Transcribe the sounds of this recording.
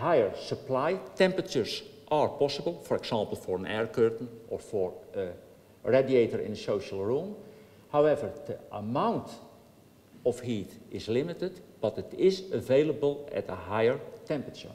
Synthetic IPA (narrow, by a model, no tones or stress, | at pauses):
ɦajəɹsəplajtɛ̃mpɹət͡ʃəɹzʔaɹpɔsəbəlˠfɔɹɛɡz̥ɑ̃ːmpl̩ˠfɔɹə̃nɛɹkɜːtn̩ʔɔɹfɔɹə | ɹadieɪtəɹɪ̰̃nəsoʊʃəl̩ˠɹum | hawɛvəɹdəʔəmãw̃nt | ɔfhiːtɪzlɪmɪtədb̥ʌtɪtɪzəveɪlˠəbəlˠɛ̰təɦajəɹtʰɛ̃mpɹət͡ʃə̰ɹ